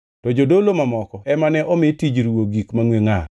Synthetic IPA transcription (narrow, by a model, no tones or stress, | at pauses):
tɔd͡ʒodolomamɔkɔɛmanɛʔɔmɪtid͡ʒɾwoɡikmaŋweŋa